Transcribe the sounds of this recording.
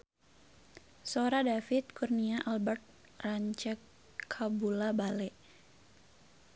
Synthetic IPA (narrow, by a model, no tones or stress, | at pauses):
soɾadafit̪̚kurniaʔalbərt̪̚ | raɲt͡ʃɛkʰ | abulabalɛʔ